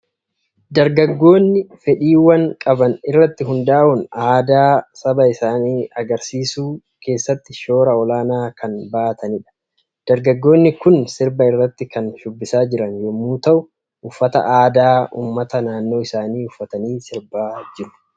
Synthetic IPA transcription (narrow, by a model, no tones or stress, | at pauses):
d̪ɐɾɡɐɡːo̞ːnːɪfɛᶑiːwɐŋkʼɐbɐnɪrːɐt̪ːɪɦʊnd̪aːʔʊnaːd̪aːsɐbɐɪsaːniːɐɡɐɾsiːsuː | ke̞ːsːɐt̪ːɪʃo̞ːɾɐɔlaːnaːkɐnbaːʔːt̪ɐnɪᶑɐ̥ | d̪̥ɐɾɡɐɡːo̞ːnːɪkʊnsɪɾbɐɪrːɐt̪ːɪkɐnʃʊbːɪsaːd͡ʒɪɾɐnjɔmuːt̪ɐʔʊ | ʊfːɐt̪ɐ̰ʔaːd̪aːʔṵːmːɐt̪ɐnaːnːo̞ːɪsaːniːʊfːɐt̪ɐniːsɪɾbaːd͡ʒɪɾʊ̥